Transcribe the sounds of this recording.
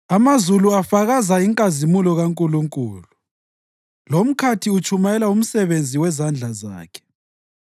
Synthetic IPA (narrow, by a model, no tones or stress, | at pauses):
amazuluafaɣazaiŋkʼazimulɔɣaŋkʼuluŋkʼṵːlu | lom̩kʰatʰiut͡ʃʰʼumajɛlaum̩sɛβend͡zʱiwɛzand͡ɮʱaza̰ːkʰɛ̥